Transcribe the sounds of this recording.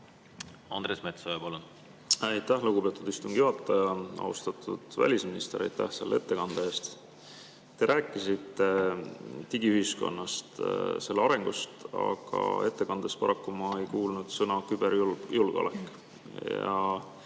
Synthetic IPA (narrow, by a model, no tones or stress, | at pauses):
ɑnd̪ɾesmet̪sojɑpɑlun | æjt̪ːæhluɡube̞t̪ːˑud̪̥ist̪umɡ̥juɑt̪ˑːɑjɑɑ̰ṵst̪ɑt̪ʰːˑud̪̥væ̰lʲisminist̪e̞ɾæ̰jt̪ːæ̰hse̞̰lːee̞t̪ːe̞kɑnd̪̥eeːst̪ | t̪ːe̞ɾʔæːkːˑisit̪ːˑe̞ | t̪iɡ̥iyhisko̞̰nːɑst̪se̞lːeɑɾe̞ŋɡ̥ust̪ɑ̰ɡ̥ɑ̰e̞t̪ːe̞kɑnd̪̥espɑɾʔɑkːumɑejkuːlnud̪̥sɤnɑkyb̥e̞ɾjuljulɡ̥o̰lḛkːˑ | jɑ̰